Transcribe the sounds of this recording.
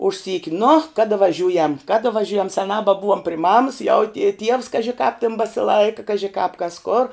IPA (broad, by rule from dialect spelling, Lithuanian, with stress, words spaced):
ʊʃ ˈsʲiːkʲɪ nʊ ˈkɑːdɐ ʋɐˈʒʲuːjɛm ˈkɑːdɐ ʋɐˈʒʲuːjɛm sʲɛˈnɑː bɐˈbʊʋoːm pʲrʲɪ mɐms jɛʊ tʲiɛ tʲiɛws ˈkɑːʒʲɪ kɑːp tʲɪn bɐsʲɪˈlˠɐɪkɐ ˈkɑːʒʲɪ kɑːp kɐs koːr